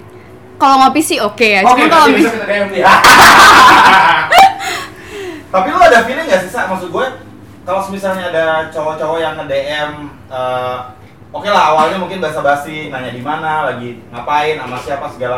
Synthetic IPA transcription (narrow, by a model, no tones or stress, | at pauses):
kaloŋopisiokejaakaldeɛmia | t̪apikuadafinəŋɡaʔsisamaks̬ʊt̪̚ɡuɛ | kalosəmisalɲaːdat͡ʃoɾɔt͡ʃɔɾɔjaŋkədeʔɛm | əː | okelaɦawalɲamuŋkɪnbaɦasabaɦasiŋaɲadimanalaɡiŋapaɪnamasiapasəɡala